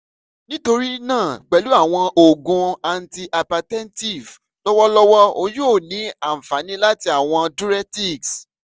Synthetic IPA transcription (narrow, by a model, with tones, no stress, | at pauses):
nĩ˦to˧ɾi˦nãː˦˨k͡pɛ˨lu˨˦a˦˨w̃ɔ̃˧o˨ɡũ˨˧a˨n̩˨ti˧ʔa˨pa˨tɛ˦n˦ti˦˨v | lɔ˦wɔ˦lɔ˦wɔ˦o˧jo˦o˦˨nĩ˨˦a˨m̩˨fa˨˦nĩ˦la˦ti˧a˦˨w̃ɔ̃˧du˦ɾɛ˦ti˦˨ks